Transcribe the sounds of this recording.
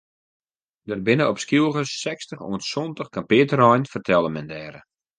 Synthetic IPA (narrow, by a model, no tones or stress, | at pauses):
dərbɪnəɔpskjulˠɣəsɛkstəχo̰ənsɔntəxkampɪːtərɔjnfərtʰɛlˠəmɛndɛːɾə